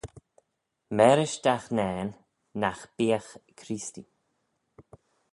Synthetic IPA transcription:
mɛɾɪʃd̪axnɛːnː | axb̥iːəxkʰɾist̪ḭ

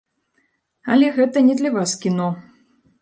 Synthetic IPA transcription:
ɐlʲɛɣɛt̪ɐnʲɛd̪lʲɐvaskʲinɔ

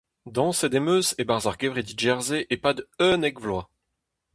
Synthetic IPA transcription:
d̪ɑ̃sed̪emøsebaʁzaʁɡʲevʁed̪iʒɛʁzeʔepad̪œnɛkvlwa

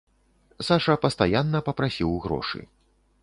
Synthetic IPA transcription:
saʂɐpɐst̪ajanːɐpɐpɾasʲiwɣɾɔ̰ʂɨ̰

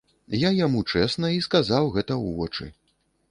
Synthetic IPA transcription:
jajamut͡ʂɛsnɐiskazawɣɛt̪ɐwvɔt͡ʂɨ̰

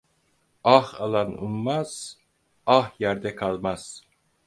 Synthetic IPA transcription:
ɑhalˠanṵmːaz̥ | ɑhjæɾd̪ɛkʰalˠmaz̥

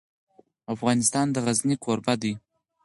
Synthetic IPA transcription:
afɣɑnɪst̪ɑnd̪əɣaznikʰoɾbad̪i

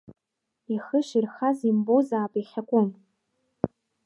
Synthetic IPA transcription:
iχəʃirχazimbowzaːpʼiχʲakʷʼʊm

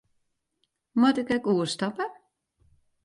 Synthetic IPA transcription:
mwatɪkɛkuəstɔpə

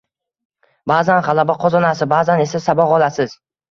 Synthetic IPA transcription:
baːzanχɑlˠabaqʰɒzɒnasɪbaːzane̞sasabɒʁɒlˠasɪz

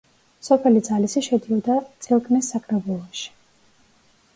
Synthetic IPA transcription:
sɔpʰɛlid̪zalisiʃɛd̪iɔd̪at̪sʼɛlˠkʰʼnɛsːakʰɾɛbulˠɔʃi̥

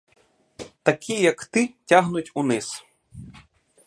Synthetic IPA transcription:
t̪akʲʰijɐkt̪ɪtʲaɦnutʲunɪs

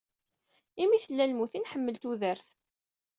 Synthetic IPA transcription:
imiθəlːælmuθinħəmːəlt̪uðəɾθ

